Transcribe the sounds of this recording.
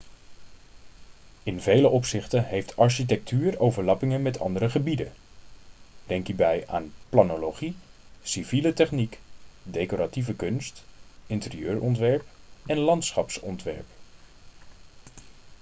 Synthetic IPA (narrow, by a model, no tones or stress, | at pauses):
ɪnvejləʔɔpsɪχtənɦejftʰɑɹʃit̬ɛk̚tʰyːɹowvəɹlɑpɪŋənmɛtʰɑ̰ndəɾəχəbidən | d̥ɛŋkiːɹbɛja̰ːnplanoloχisivilətɛχnikdejkoɾativəkɵnstɪntərijøːɹɔntʋɛɹpɛnlɑntsχɑpsɔ̰ntʋɛ̰ɹp